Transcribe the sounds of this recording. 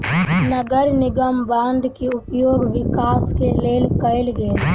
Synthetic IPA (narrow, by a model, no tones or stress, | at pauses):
nɐɡəɾnɪɡəmbãːnd̪kiʊpjoːɡʋɪkaːskeleːlkɐɪlɡe